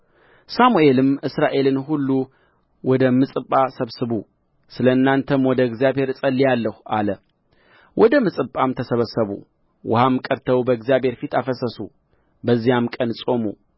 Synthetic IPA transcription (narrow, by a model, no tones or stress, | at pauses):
samue̞lɨmʔɨsɾaʔe̞lɨnɦulːu | wɔd̪əmɨsʼɨpʼːasəβsɨβu | sɨləɨnːant̪ʰəmwɔd̪əɡzijaβhe̞ɾɨsʼəlːijalːəhua̰lə | wʔɔd̪əmɨsʼɨpʼamt̪ʰəsəβəsːəβṵ | wʔʊ̰hamkʼəɾt̪ʰəwbəɡzijaβhe̞ɾfit̪afəsəsṵ | bəzːijamkʼənsʼo̞mṵ